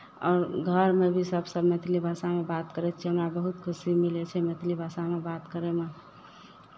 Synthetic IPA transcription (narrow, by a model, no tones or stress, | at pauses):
ɔ̰ːɾɡʱəɾmebʱisəbsəbmɛt̪ʰlibʱasamebat̪kəɾɛt͡ʃʰiɦəmɾabəɦut̪kʰʊsimilet͡ʃʰɛmet̪ʰlibʱasamebat̪kəɾeme